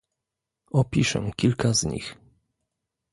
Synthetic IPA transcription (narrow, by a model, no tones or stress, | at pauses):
ɔpʲiʂɛ̰kʲilkazɲḭx